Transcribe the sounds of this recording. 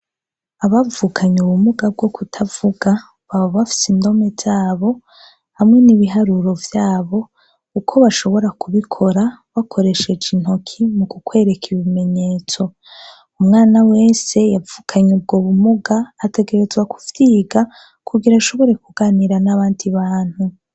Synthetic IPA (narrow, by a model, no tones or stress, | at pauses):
aβavukʰaɲuβumuɡab̚ɡo̞kutʰavuɡa | βaβoβafi̥sindo̞mez̥aːβo̞ | hamŋe̞niβiɦaɾuɾo̞vjaːβo̞ | ukʰo̞βaʃo̞βo̞ɾakuβikʰo̞ɾaβakʰo̞ɾe̞ʃe̞d͡ʒin̥o̞kʰimukukwe̞ːɾe̞kʰiβime̞ɲe̞ːt͡so̞ | umŋaːnawe̞ːse̞javukʰaɲub̚ɡoβumuɡaːte̞ɡe̞ɾe̞zwaku̥v̥jiːɡa | kʰuɡiɾaʃo̞βo̞ɾe̞kuɡaːniɾanaβaːndiβaːn̥hu